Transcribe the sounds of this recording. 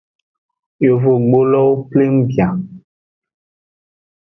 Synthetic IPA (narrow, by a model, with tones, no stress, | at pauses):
jo˨vo˨ɡ͡bo˦lɔ˦wo˦ple˦m̩˦bi˨a˨